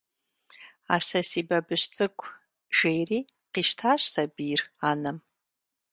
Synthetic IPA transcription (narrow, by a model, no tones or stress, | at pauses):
asasibabɨʃt͡sʼɨkʷʼʰ | ʒ̥ejriqiʃtʰaʃʷsabiranɨm